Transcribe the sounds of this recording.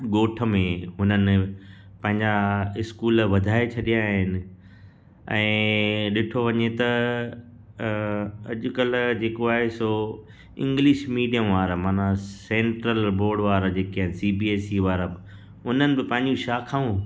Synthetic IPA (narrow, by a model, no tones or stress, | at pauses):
ɠoːʈʰə̆mẽɦʊnənɪ̆ | pɐ̃ɦɪ̃ɲd͡ʑaɪskuːlʋɐd̪ʱaːet͡ɕʰɐɗijaːɦɪnɪ̆ | ɛ̃ːɗɪʈʰoʋɐɲet̪ɐ | ɐʄʊ̆kɐl̤d͡ʑeːkoaːɦeso | ɪ̰̃ŋɡlɪʃmiːɖijəmʋaːɾmaːnasẽːɳʈɾəlboːɾɖʋaːɾd͡ʑeːkiaːɦɪnɪ̆siːbiːeːsiʋaːɾə | ʊnənɪ̆bɪpɐ̃ɦɪ̃ɲd͡ʑũʃaːkʰaũ